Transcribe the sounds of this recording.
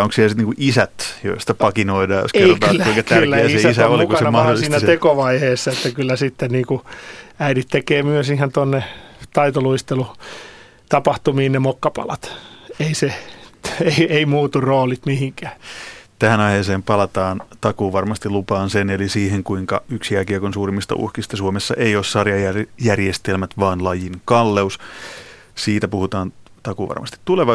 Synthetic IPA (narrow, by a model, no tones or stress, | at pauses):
oŋksilsit̪niːkuʔisæt̪jo̰ist̪ɑpɑkinoidɑːjo̰serot̪ɑːlːæuikɑt̪æyrlːæesesisæolikuɑsenmɑholːˑsisiːnnæt̪ekoʋɑiheːsːɑet̪ːækylːæsit̪ːenniːkuæiɾit̪t̪ekeːmyøsihent̪onːet̪ɑit̪oluist̪elu | t̪ɑpɑht̪umiːnnemokːɑpɑ̰lɑt̪eise | eieimuːt̪urroːlit̪mihiŋkæːt̪æhænɑiheːseːmpɑlɑt̪ɑːnt̪ɑkuːʋɑrmɑst̪ilupɑːnsenelisiːheŋkuiŋkɑ̰yksjækiɑkonsuːrimːist̪ɑ̰ʔṵhkist̪ɑsuomesːɑ̰ʔejoːssɑrjɑjæjærjest̪elmæt̪ʋɑːnlɑjinkɑlːeus | siːt̪æpuhut̪ɑːn | t̪ɑkuːʋɑ̰rmɑ̰st̪i̥t̪tuleʋɑ